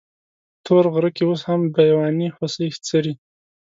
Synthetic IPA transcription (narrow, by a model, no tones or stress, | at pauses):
t̪ʰoɾɣɾəkioshambajwɑnihʊsixt͡səɾi